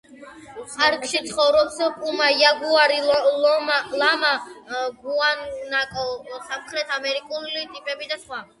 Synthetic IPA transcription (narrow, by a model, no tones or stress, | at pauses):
χaɾkʰʼʃit̪sʰχɔvɾɔpsɔpʼumajaɡuaɾiɔ | lamaɡuannakʼɔsamχɾɛt̪ʰamɛɾikʼulit̪ʼipʼɛbid̪asχwa